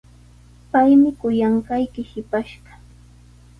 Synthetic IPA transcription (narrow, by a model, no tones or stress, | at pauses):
pajmɪkʊjaɴɢɑjkɪhɪpaʃɢɑ